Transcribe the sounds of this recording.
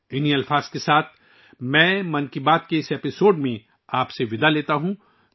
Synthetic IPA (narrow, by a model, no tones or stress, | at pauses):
ɪniɐlfaːz̥kesaːt̪ʰ | mɛ̃ːmɐnkibaːt̪̚keɪseːpɪsoːɖmẽ | aːpseʋɪd̪aleːt̪aɦũ